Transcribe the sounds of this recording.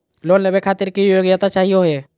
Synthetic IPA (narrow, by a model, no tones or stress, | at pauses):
loːnlebekʰaːt̪ɪɾkijoːɡd͡ʒat̪at͡ʃaːɦijoɦeː